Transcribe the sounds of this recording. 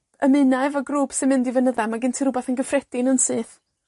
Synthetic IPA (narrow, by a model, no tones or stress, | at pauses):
əmɨnavɔɡruːb̥sɪnmɪndivənəðamaɡɪntʰiɾʊbaθənɡəfrɛd̥ɪnənsɨːθ